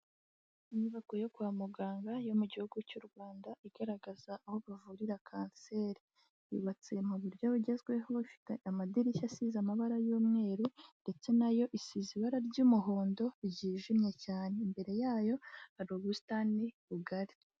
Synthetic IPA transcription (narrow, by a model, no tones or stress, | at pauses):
iɲuβakojo̞kuamuɡaːŋɡajo̞muɟihuɡucuɾɡwaːndaiɡ̥aɾaɡazaʔːho̞βavuɾiɾakʰaːnse̞ːɾi | ḭβat͡semuβuɾɟaβuɟe̞zɡwe̞ɦofi̥teamadiɾiçasizamaβaɾajuːmŋe̞ːɾunde̞t͡se̞najo̞ʔisiziβaɾaɾɟuːmuɦo̞ːndo̞iɟiʒimɲe̞caːne̞imbe̞ɾe̞jaːjo̞haɾoɡustaniβuɡaɾi̥